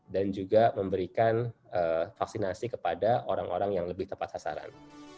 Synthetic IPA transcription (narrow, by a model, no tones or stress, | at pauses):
dand͡ʒuɡaməmbəɾikan | əfak̚sinasikəpadaʔoɾaŋʔo̰ɾaŋjaŋləbɪht̪əmpat̪sasa̰ɾa̰n